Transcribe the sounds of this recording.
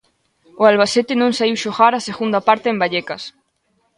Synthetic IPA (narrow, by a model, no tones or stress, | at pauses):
oalβ̞aset̪enõŋsaiwʃoɣaɾaseɣund̪apaɾt̪eːmbaʎekas